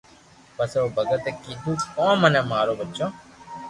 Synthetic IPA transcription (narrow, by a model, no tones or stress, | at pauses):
pəsoːbʱəɡət̪eːkiːd̪ʱuːkɔ̃ːmənẽːmaːɾoːbətːt͡ʃõː